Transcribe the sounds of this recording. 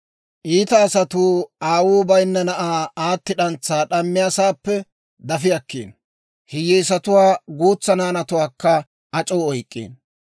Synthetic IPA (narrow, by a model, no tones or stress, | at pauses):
ʔiːt̪ɐːsɐt̪uːaːwuːbɐjnːɛnɐʔaːaːt̪ːɪᶑɐnt͡sːaːɗɐmːɪjaːsaːpːɛ | d̪ɐfɪjɐkːeːn | hɪjːɛjs̬ɐt̪ʊwaːɡuːt͡sːɐnaːnɐt̪ʊwaːkːɐ | ɐt͡ʃʼoːɔjkʼːḛːn